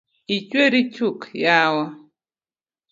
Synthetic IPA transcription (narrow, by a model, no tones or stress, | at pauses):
it͡ʃweɾit͡ʃukjawa